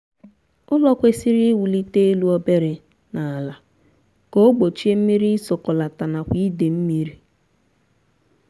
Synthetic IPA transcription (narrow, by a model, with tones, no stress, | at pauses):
ʊ˦lɔ˦kʷe˦si˦ɾi˦wu˨li˦te˦e˦lu˦ɔ˦be˦ɾɪ˨ | na˨a˨la˨ | ko˦ɡ͡bo˨t͡ʃi˦e˦m̩˦mi˦ɾi˦i˦so˨kɔ˨la˨ta˨na˨kʷi˦de˨m̩˦mi˦ɾi˦